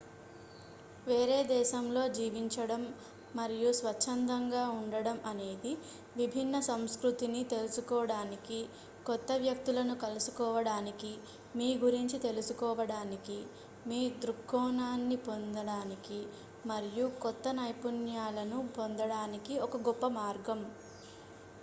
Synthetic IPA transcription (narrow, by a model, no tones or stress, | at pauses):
ʋe̞ːɾe̞ːd̪ɛːʃɐmlo̞ːd͡ʒiːʋiɲt͡ʃɐɽɐmː | ɐɾijusʋɐt͡ʃʰːɐnd̪ɐŋɡaːuɳɖɐɽɐmʔɐne̞ːd̪i | ʋibʱinːɐsɐmskɾut̪init̪e̞lusukɔːɐɽaːniki | kɔt̪ːɐʋjɐk̚t̪ulɐnukɐlusukɔːʋɐɽaːniki | miːɡuɾiɲt͡ʃit̪e̞lusukɔːʋɐɽaːniki | miːd̪ɾukːɔːnaːnːipond̪ɐɽaːniki | mɐɾijukɔt̪ːɐnɐjpunjaːlɐnupond̪ɐɽaːnikiɔkɐɡɔpːɐmaːɾɡɐm